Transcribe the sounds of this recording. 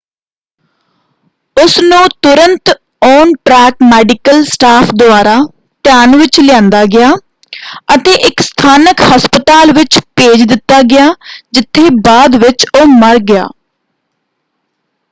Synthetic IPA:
ʊsnũːt̪ʊɾənt̪ | oːnʈɾɛːkmɛːɖɪkəlsʈaːpʰd̪ʊaːɾaː | t̪ɪjaːnʋɪt͡ʃlɪjãːnd̪aːɡɪjaː | ət̪eːʔɪkst̪ʰaːnəkhəspət̪aːlʋɪt͡ʃpeːd͡ʒd̪ɪt̪ːaːɡɪjaːd͡ʒɪt̪ʰːeːbaːd̪ʋɪt͡ʃoːməɾɡɪja̰ː

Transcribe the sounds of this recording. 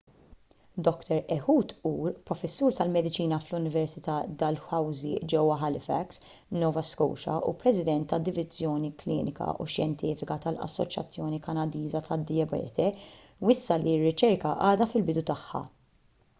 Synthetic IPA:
d̪ɔkt̪ɛɾɛħuːt̪uːɾpɾɔfɛsːuːɾt̪ɐlmɛd̪ɪt͡ʃiːnɐflʊnɪvɛɾsɪt̪ɐd̪ɐlfɐwzid͡ʒɛwːɐɦɐlɪfɛ̰ks | nɔːvɐskɔ̰wʃɐ̰ʔṵpɾɛsɪd̪ɛnt̪ːɐd̪ːɪvɪzjɔːniklḭːnɪkɐ̰ʔṵʃjɛnt̪iːfɪkɐt̪ɐlɐ̰sːɔ̰t͡ʃjɐ̰t͡sːjɔːnikɐnɐd̪iːzɐt̪ɐd̪ːɪjɐbɛ̰ːt̪ʰɛ | wɪsːɐlirːɪt͡ʃɛɾkɐʔɐːd̪ɐfɪlbɪd̪ut̪ɐħːɐ̰

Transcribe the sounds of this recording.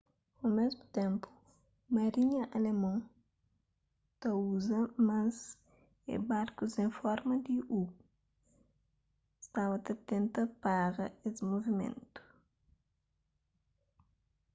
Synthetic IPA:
omɛzmut̪ɛ̃mpu̥ | mɐɾiɲɐʔɐlemõ | t̪ɐuzɐmãz | ḛbaɾkuzẽfɔɾmɐd̪iʔu | st̪avɐt̪ɐt̪ẽnt̪ɐpaɡɐ̰esmovimḛ̃nt̪u̥

